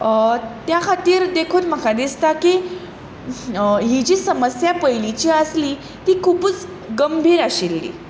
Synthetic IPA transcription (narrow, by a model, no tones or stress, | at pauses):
t̪jakʰat̪iːɾd̪ekʰoːt̪m̤əkad̪ist̪aki | ɦid͡ʑiːsəməsjapəjlit͡ɕiːəsli | t̪iːkʰuːpət͡s | ɡəmbʱiːɾaɕelːḭː